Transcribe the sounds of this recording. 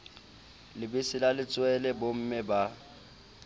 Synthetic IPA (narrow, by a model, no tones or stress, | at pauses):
lɪbɪsɪlalɪt͡sʼwɛlɛbʊm̩mɪba